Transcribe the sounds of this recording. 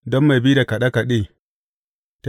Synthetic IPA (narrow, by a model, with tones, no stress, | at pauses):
dɔ˦mːa˨jbi˦da˨ka˨ɗa˦ka˨ɗiː˦ | ta˦